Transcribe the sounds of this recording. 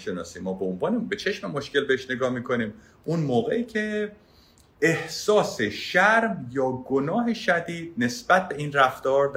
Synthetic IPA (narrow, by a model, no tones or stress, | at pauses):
ʃenɒ̰ːsiːmːɒːbeonvɒːnebet͡ʃʰe̞ʃmemo̞ʃce̞lbeeʃne̞ɡɒːmiːkʰo̞niːm | ʔunmoːɣeiːcʰe | ehsɒːseʃæɾmjɒːɡonɒːɦeʃæd̪iːd̪̥̚ne̞sb̥æt̪̚ʰbe̞iːnræft̪ɒːɾd̪